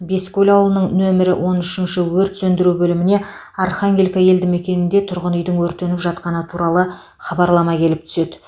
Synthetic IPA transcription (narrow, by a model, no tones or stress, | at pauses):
be̞skʲʰɵlʲɑwəlˠənəɴnɵmɪɾɪwʔo̞nʏʃɪnʃɪwɵɾt̪sɵnd̪ɪɾubɵlɪmɪne̞ | ɑrχaŋɡʲelkʲɑje̞ld̪ɪŋme̞kʲe̞nɪnd̪e̞t̪ʰʊɾʁənʏjd̪ɪŋwɵɾt̪e̞nɪpʒɑt̪qɑnət̪ʰuɾɑlˠə | χɑbɑɾlˠɑmɑkʲʰe̞lɪp̚t̪ʰʏ̥se̞d̪ɪ